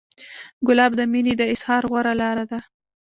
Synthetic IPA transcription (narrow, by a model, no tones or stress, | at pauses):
ɡʊlɑbd̪əmined̪əɪshɑɾɣwaɾalɑɾad̪a